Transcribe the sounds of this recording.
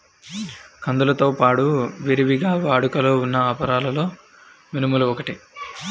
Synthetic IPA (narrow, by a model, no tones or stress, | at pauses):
kʰɐnd̪ulɐt̪o̞ːpaːɽuʋiɾiʋiɡaːʋaːɽukɐlo̞ːunːɐaːpɐɾaːlɐlo̞ː | minimuluɔkɐʈi